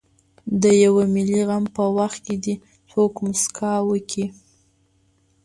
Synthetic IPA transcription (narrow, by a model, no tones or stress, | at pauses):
d̪əjawamɪliɣampəwaxt̪̚ked̪i | t͡sokmʊskʰɑwəkʰi